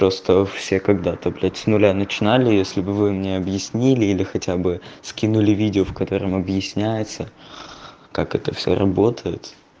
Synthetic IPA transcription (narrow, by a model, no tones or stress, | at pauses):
pɾo̞st̪əfsʲe̞kɐɡd̪at̪ɐplʲætʲsʲnʊlʲanət͡ɕɪnalʲɪjesʲlʲɪbɨvɨmnʲeɐbjɪsʲnʲilʲɪilʲɪxɐtʲabɨskʲinʊlʲɪvʲidʲɪofkɐt̪o̞ɾɨmɐbjɪsʲnʲæjɪt̪sə | kakɛt̪əfsʲo̰ɾɐ̰bo̞t̪ʰəjɪt̪